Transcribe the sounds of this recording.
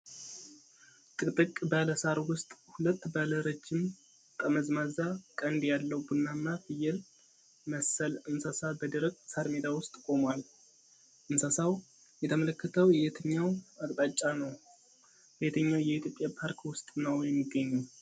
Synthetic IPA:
t̪ʼɨkʼt̪ʼɨkʼbaləsaɾwʊst̪ʼhulət̪ːbaləɾət͡ʃːɪm | k̪ʼəməzmazakʼənd̪jalːəwbunːamːafɨjɛl | məsəlɨnsasabəd̪ɨɾəkʼsaɾmed̪awʊst̪ʼkʼo̞mwal | ʔɨnsasaw | jɛt̪ʰəmələkːət̪ʰəwjɛt̪ʰəɲːawakʼt̪ʼat͡ʃʼːanəw | jet̪ʰəɲːawjɛit̪ʰjo̞pʼjapʰaɾkwʊst̪ʼnəwjɛmːiɡːəɲːu

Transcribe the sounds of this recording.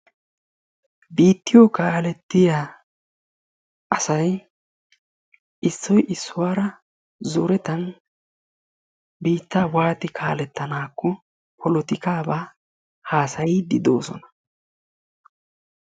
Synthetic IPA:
biːt̪ːɪjɔkaːlɛt̪ːɪjaː | ʔɐsɐj | ʔɪsːɔjʔɪsːʊwaːɾɐ | zʊɾɛt̪ɐn | biːt̪ːaːwaːt̪ɪkʰaːlɛt̪ːɐnaːkːɔ | pʰɔlɔt̪ɪkaːbaː | haːsɐjɪd̪ɪd̪oːsɔ̰nɐ̥

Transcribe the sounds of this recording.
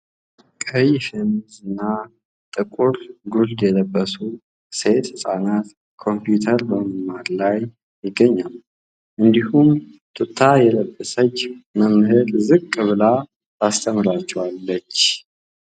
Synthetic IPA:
kʼəjfemzɨnːa | t̪ʼɨkʼuɾɡuld̪jɛləbːəsu | se̞t̪ɨsʼanat̪ | kʰo̞mpjut̪ʰəɾbəməmaɾlaj | jɪɡːəɲːal | ʔɨnd̪ihum | t̪ʰʼɨt̪ʰːajɛləbːəsət͡ʃːməmhɨɾzɨkʼːɨβɨla | ast̪ʰəmɾat͡ʃːɛwalːət͡ʃː

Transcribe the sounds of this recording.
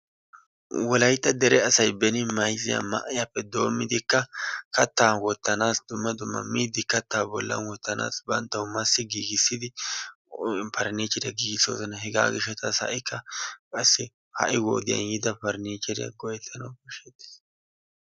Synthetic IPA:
wɔlɐjt̪ːɐd̪ɛɾɛɐsɐjbɛnɪmɐjzɪja̰mɐ̰ʔɪjɐpːɛd̪o̞ːmːɪd̪ɪkːɐkɐt̪ːaːnwɔt̪ːɐnaːsd̪ʊmːɐd̪ʊmːɐ̰miːd̪ɪkɐt̪ːaːbɔlːɐ̰nwɔt̪ːɐna̰ːsbɐnt̪ːɐwʊmɐsːɪɡiːɡɪsːɪd̪ɪ | pɐɾneːt͡ʃːɛɾɪjɐɡiːɡɪsːo̰ːsɔnɐɦɛɡa̰ːɡɪʃɐt̪ɐshɐ̰ʔɪkʰːɐkʼɐsːɪ | hɐ̰ʔɪwo̰ːd̪ɪjɐ̰njɪd̪ɐpɐɾneːt͡ʃːɛɾɪjɐ̰ɡɔjɛt̪ʰːɐnɐwkːɛʃet̪ːɪ̥s

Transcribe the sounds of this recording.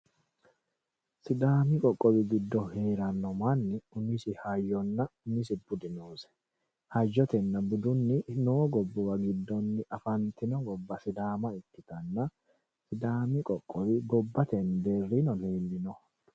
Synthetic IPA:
sɪd̪aːmɪkʼɔkʼːɔbɪɡɪd̪ːɔhe̞ːɾɐnːɔmanːɪʊnɪsɪhajːɔnːɐʊnɪs̬ɪbʊd̪ɪnoːsɛ̥ | hɐd͡ʒːɔt̪ɛnːɐbʊd̪ʊnːɪnoːɡɔbːɔwɐɡɪd̪ːɔnːɪʔɐfɐnt̪ɪnɔɡɔbːɐsɪd̪aːmɐɪt̪ːɪt̪ɐnːɐ | sɪd̪aːmɪkʼɔkʼːɔβɪɡɔbːɐt̪ɛnd̪eːrːinɔneːlːɪnɔ

